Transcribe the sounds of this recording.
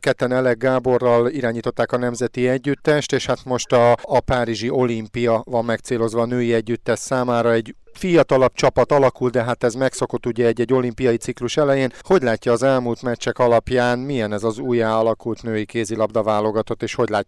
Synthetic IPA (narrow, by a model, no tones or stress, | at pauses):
kɛt̪ːɛnɛlɛɡːaːbo̞rːɒliɾaːɲiːt̪o̞t̪ːaːkɒnɛmzɛt̪iɛɟːyt̪ːɛʃt̪eːʃhat̪mo̞ʃt̪ɒːpaːɾiʒiʔo̞limpijɒvɒmːɛkt̪seːlo̞zʋɒːnøːjiɛɟːyt̪ːɛʃsaːmaːɾɒɛɟfijɒt̪ɒlɒpt͡ʃɒpɒt̪ɒlɒkuld̪d̪ɛɦat̪ɛzmɛkso̞ko̞t̪ːuɟɛɛɟːɛɟːo̞limpijɒjisikluʃɛlɛjeːnho̞ɟlaːcːɒːzɛlmuːlt̪mɛt͡ʃːɛkɒlɒpjaːnmijɛnɛzɒzuːjaːɒlɒkult̪nøːjikeːzilɒbd̪ɒvaːlo̞ɡɒt̪o̞t̪ːeːʃho̞ɟlaːcː